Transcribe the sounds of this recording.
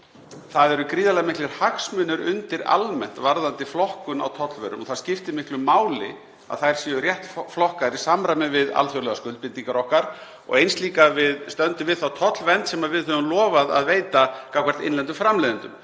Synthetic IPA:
θaðɛɾʏkɾiːðalɛɣmɪhklɪɾ̥haksmʏnʏɾʏnt̪ɪɾa̰lmɛn̥t̪vaɾðant̪ɪflɔhkʏna̰wt̪ʰɔt̪lvœ̰ɾʏ̰mɔθaðscɪft̪ɪmɪhklʏmaːwlɪ | a̰ðθajɾ̥sjɛrjɛht̪flɔhkaɾisaːmɾajmɪvɪða̰lθjœlɛɣaskʏlpɪnt̪ːiŋkaɾɔhkaɾ̥ | ɔ̰ɣejnst̪liːkavɪðst̪œnt̪ʏvɪðθawt̪ʰɔt̪lvɛnt̪sɛmaðvɪðœvʏmlɔːvaða̰ðveːjt̪akawkvaɾ̥t̪ɪ̰nlɛnt̪ʏfɾamlɛːðɪnt̪ʏm

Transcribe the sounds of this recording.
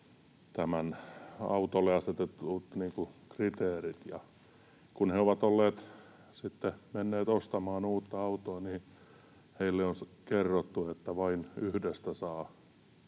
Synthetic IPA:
t̪æmænɑ̰ut̪oleɑset̪et̪ːuːt̪niːŋkukrit̪eːrit̪jɑ | kunheoʋɑt̪olːeːt̪ | sit̪ːemenːeːt̪ost̪ɑmɑːnuːt̪ːɑɑut̪oɑniː | heilːeonskerːot̪ːuet̪ːæʋɑinyhdest̪æsɑː

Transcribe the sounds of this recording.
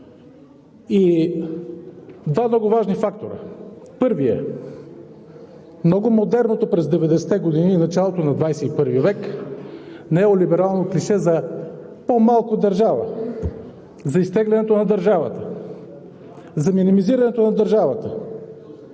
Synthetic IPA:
i | d̪vamnɔɡʊvaʒnifakt̪oɾə̰pɤɾviɛ | mnɔɡʊmod̪ɛɾnot̪opɾɛzd̪ɛvɛd̪ɛsɛ̥t̪ɛɡod̪ininɐt͡ʃalˠot̪onɐd̪vajsɛipɤɾvivɛk | nɛolibɛɾalˠnokliʃɛzɐ | pomalˠkod̪ɐɾʒavə̰ | zɐist̪ɛɡlʲɛnɛt̪onɐd̪ɐɾʒavə̰t̪ə | zɐminimiziɾɐnɛt̪onɐd̪ɐɾʒavət̪ə

